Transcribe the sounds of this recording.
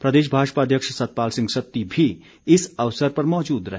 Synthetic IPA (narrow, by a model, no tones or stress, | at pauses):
pɾɐd̪eːʃ̬bʱaːʃpaːd̪ʱjəkʃsɐt̪̚paːlsɪ̃ŋɡsɐt̪ːibʱi | ɪsɐʋsəɾpɐɾmɔːd͡ʒuːd̪ɾɐɦe